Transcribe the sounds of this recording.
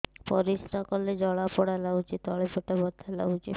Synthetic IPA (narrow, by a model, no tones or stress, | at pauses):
pɔɾisɾakɔled͡ʑɔɭapɔɽalaut͡ʃit̪ɔɭepeʈabɔt̪ʰːala̰ut͡ʃḭ